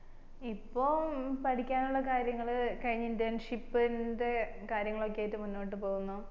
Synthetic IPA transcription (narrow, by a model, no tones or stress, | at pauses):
ipːo̞ːpɐʈikʲːaːnuɭːɐkaːɾjɐŋːɐɭkɐɻiɲːindjanʂipːinde̞kaːɾjɐŋːɐɭo̞kːejajtːɨmunːo̞ːʈ̬ːɨpo̞ːɣunːu